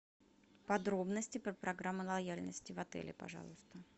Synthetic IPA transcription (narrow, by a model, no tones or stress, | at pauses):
pɐd̪ɾo̞bnəsʲtʲɪpɾəpɾɐɡɾamːʊlˠɐjalʲnəsʲtʲɪvɐt̪ɛ̰lʲɪ̰pɐ̰ʐɑ̰lˠʊst̪ə